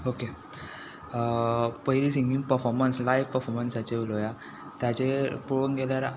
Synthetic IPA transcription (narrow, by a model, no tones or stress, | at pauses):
oke | pəɦjɾisiŋɡiŋɡpəɾfɔɾmənslajʋpəɾfɔɾmənsat͡ɕeʋuloja | t̪jat͡ɕepuɭunɡɛljaɾ